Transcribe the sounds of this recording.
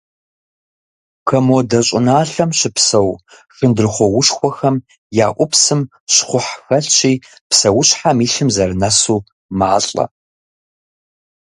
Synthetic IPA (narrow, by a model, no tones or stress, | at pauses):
kʰɐmodɐɕʼɪnaːɬɐmɕɪpsɐw | xɨndɨrχʷɔwʊʂxʷɔxɐm | jaːʔʷʊpsɨm | ʃχʷʊħxɐɬt͡ʃʰʼiː | psɐwʊɕħamiːɬɨmzɐrnɐsuː | maːɬʼɐ̰